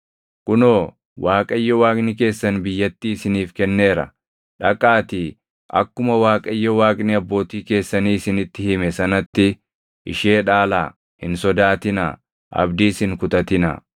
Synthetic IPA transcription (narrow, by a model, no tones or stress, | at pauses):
kʼʊnoː | waːkʼɐɪjːɔwaːkʼnɪke̞ːsːɐnbɪjːɐt̪ːiːɪsɪniːfkɛnːe̞ːɾɐ̰ | ᶑɐkʼːaːt̪i | ʔɐkːʊmɐwaːkʼɐɪjːɔwaːkʼnɪɐbːo̞ːt̪iːke̞ːsːɐniːɪsɪnɪt̪ːɪhɪmɛsɐnɐt̪ːɪ | ʔɪʃe̞ːᶑaːlaː | hɪ̰nsɔd̪aːt̪ɪna̰ | ʔɐ̰bd̪iːsɪŋkʊt̪ʼɐt̪ɪnɐ̰